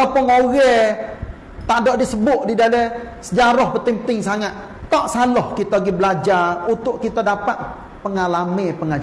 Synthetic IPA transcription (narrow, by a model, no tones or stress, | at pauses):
ɔpɔŋoɣɛ | t̪adoʔdisəbʊʔdidalesəd͡ʒaɾɔhpət̪imt̪ɪŋsaŋat̪ | t̪aʔsalɔhkit̪ɔɡibəlad͡ʒarunt̪ʊʔkit̪ɔdapat̪̚ | pəŋalamepəŋad͡ʒ